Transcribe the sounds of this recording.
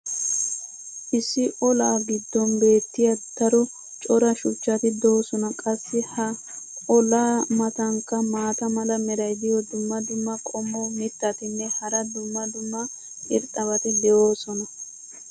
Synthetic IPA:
ʔɪsːɪʔɔlaːɡɪd̪ːɔnbe̞ːt̪ːɪjɐd̪̥ɐɾɔ | t͡ʃʼɔɾɐʃʊt͡ʃːɐt̪ɪd̪o̞ːsɔnɐkʼɐsːɪhɐ | ɔlaːmɐt̪ɐŋkːɐmaːt̪ɐmɐlɐmɛɾɐjd̪ɪjɔd̪ʊmːɐd̪ʊmːɐkʼɔmːɔmɪt̪ːɐt̪ɪnːɛhɐɾɐd̪ʊmːɐd̪ʊmːɐ | ʔɪ̰ɾt̪ʼɐβɐt̪ɪd̪ɛʔo̞ːsɔnɐ

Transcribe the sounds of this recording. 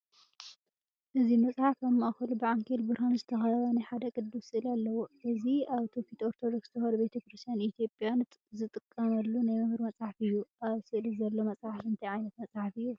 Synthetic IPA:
ʔɨzimɐt͡sʼħafɐmːʔaxɐlubɨʕaŋkʰilbɨɾhanzɨt̪ʰɐxɐɐβɐnajħad̪ɐkʼɨd̪ːusɨʔɨlalːɐwoʔɨziaβt̪ʰofit̪oɾt̪ʰod̪okst̪ʰɨxɐlubet̪ʰɐkɾɨst̪ʰijanit̪ʰjo̞pʼjant̪zɨt̪ʼɨkʼːɐmɐlːunajmɨhɾmɐt͡sʼħafɨjːuʔaβsɨʔlizɐlːo̞mɐsʼħafɨnt̪ʰɐjʕajnɐt̪mɐt͡sʼħafɨjːu

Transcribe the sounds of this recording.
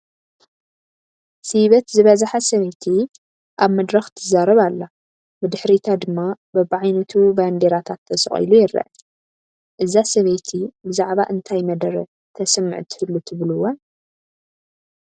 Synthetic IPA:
siβɐt̪zɨβɐzaħasɐβɐjt̪ʰi | ʔaβmɐd̪ɾɐxt̪ʰɨzaɾɐβalːa | bɨd̪ɨħɾit̪ʰad̪ɨmːabɐβʕajnɐt̪ʰuband̪eɾat̪ʰat̪ʰːɐsɨχʼḭlujɪɾːɐ̰ʔ | ʔɨzasɐβɐjt̪ʰibɨzaʕβaʔɨnt̪ʰajmɐd̪ɐɾɐ | t̪ʰɐsɨmːɨ̰ʕt̪ʰɨ̥hɨlːut̪ʰɨβluwon

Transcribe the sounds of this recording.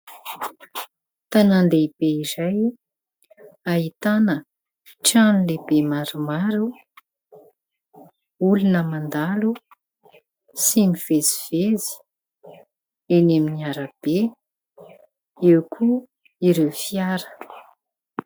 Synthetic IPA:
t̪anand̪eib̥eizaj | aɦit̪anə | ʈ͡ʂanilebemaɾumaɾu | ulunəmand̪alu | simiv̥eziv̥ezi̥ | eneminiaɾəb̥e | ewkʰu | iɾewfiaɾə̥

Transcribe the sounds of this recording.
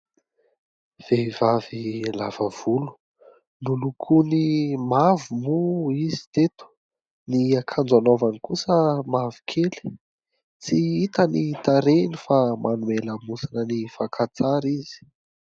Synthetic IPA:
v̥evavilav̥av̥ulu̥ | nulukʰunimavumuizi̥t̪et̪u̥ | niakʰand͡zanovanikusəmavi̥kʰeli̥ | t͡siit̪ənit̪aɾenifamʔanueləmusinənifakʰat͡saɾizi̥

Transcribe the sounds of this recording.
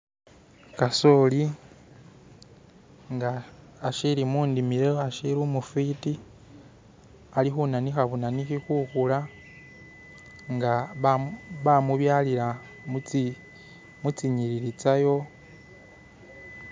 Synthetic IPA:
kaso̞li | ŋɡaː | ʃiɾimuːndimiɾeaʃiɾumufiti | alixunanixaβunanixixuxula | ŋɡa | βamuβjaːliɾa | mi | mut͡siɲiɾiɾit͡sajo̞

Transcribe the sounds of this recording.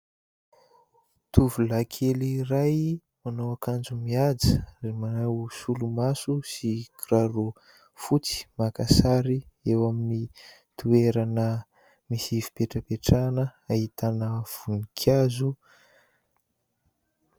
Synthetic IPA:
t̪uvulakʰeliraj | manowakand͡ʒumiad͡ziremanawsulumasusikraɾu | fut͡si̥makasaɾiewamini | t̪ʰueɾanə | misivi̥peʈ͡ʂəpeʈ͡ʂanəait̪ʰanəv̥unikʰjazu

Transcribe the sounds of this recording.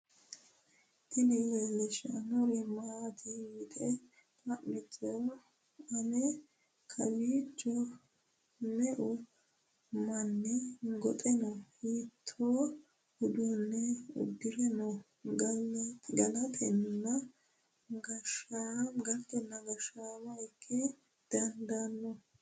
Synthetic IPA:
t̪ɪnɛjɛlɛʃɐnɔɾɛmaːt̪ʰɪɪt̪ʼɛ | t̪ɐʔmɛt͡ʃʼːɔ | ɐnɛ | kʰɐbiːt͡ʃːɔ | mɛʔʊ | mɐnːɛɡɔt̪ʼɛnɔhiːt̪ʰːoː | hʊd̪uːnːɛʊ̰d̪ːɪɾɛnɔ | ɡ | ɡɐnɐt̪ʰɛnːɐ | ɡɐʃaɡɐɾt̪ɛnːɐɡɐʃaːmɐɪkʰːɛ | d̪̥ɐnd̪anːɔ

